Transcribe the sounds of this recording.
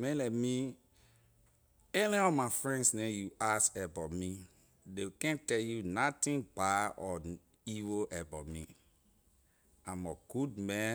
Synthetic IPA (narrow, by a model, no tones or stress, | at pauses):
mɛ̃lɛmi | eniɔmafɹɛ̃ndsnẽjuasɛbɔmi | dekɛ̃ntɛljunatĩnbaɔ | iwoʔɛbɔmi | ãmɔɡ̥ud̚mɛ̃